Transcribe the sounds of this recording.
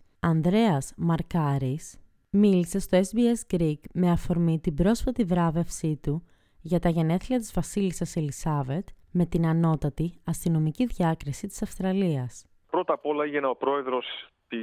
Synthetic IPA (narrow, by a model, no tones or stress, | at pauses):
ɐnd̪ɾe̞ɐsmɐɾkɐɾis | milise̞st̪o̞e̞sbie̞sɡɾiɡme̞ɐfo̞ɾmit̪ibɾo̞sfɐt̪ivɾɐve̞fsit̪u | ʝɐt̪ɐʝe̞ne̞θliɐt̪izvɐsilisɐselisɐve̞t̪ | me̞t̪inɐno̞t̪ɐt̪iɐst̪ino̞miciðʝɐkɾisit̪i̥sɐfst̪ɾɐliɐs | pɾot̪ɐpo̞lɐeʝenɐopɾo̞e̞ðɾo̞s | t̪i